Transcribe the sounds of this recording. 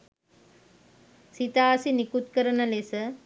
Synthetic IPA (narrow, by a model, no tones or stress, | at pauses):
sit̪aːsinikut̪kəɾənɐlesə